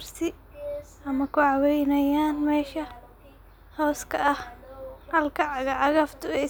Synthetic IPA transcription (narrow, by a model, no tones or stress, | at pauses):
rsɪ | ʔɐmɐkʰʊʕɑwɛjnɐjaːnmɛːʃɐ | hɔːskʰɐʔɐhhɐlkʰɐʕɑɣɐʕɑɣɐft̪ʰʊɛj